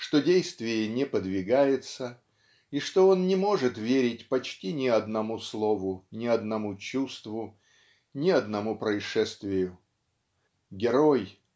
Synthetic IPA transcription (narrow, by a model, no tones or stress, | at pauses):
ʂt̪o̞dʲejst̪vʲɪjənʲɪpəd̪vʲɪɡajɪt̪sə | iʂt̪o̞onnʲɪmo̞ʐɨt̪vʲeɾʲɪtʲpɐt͡ɕtʲinʲɪɐd̪nɐmuslˠo̞vʊnʲɪɐd̪nɐmut͡ɕust̪vʊ | nʲɪɐd̪nɐmupɾəɪʂɛst̪vʲɪjʊ | ɡʲɪɾoj